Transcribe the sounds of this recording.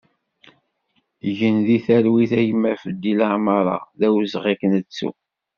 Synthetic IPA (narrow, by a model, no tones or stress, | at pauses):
ʝənðiθæɾwiθæjəmːæfəd̪ːilaʕməɾˤɑ̰ðæwzʁikənət͡sːṵ